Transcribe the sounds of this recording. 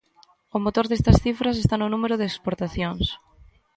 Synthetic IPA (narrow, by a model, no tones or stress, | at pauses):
omot̪oɾðest̪ɐsθifɾɐsest̪anʊnumeɾʊðekspoɾt̪aθjoŋs